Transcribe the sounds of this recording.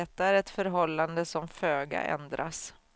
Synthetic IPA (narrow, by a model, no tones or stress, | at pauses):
ɛt̪ːaæɾɛt̪fœɾɦɔlːand̪əsɔmføːɡa̰ʔɛ̰nd̪ɾa̰s